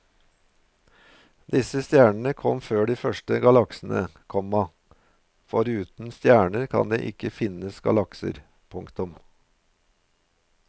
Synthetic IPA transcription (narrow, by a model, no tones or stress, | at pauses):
d̪ɪsəst̪jæːɳəɳ̩əkʰɔmføːɖiːfœʂʈəɡɑlɑksn̩ə̰kʰɔmːɑ | fɔɾʉːt̪n̩st̪jæːɳəɾkʰɑ̰nd̪ḛːʔɪkəfɪnəsɡɑ̰lɑksə̰ɾ | pʰʊŋkt̪ʊm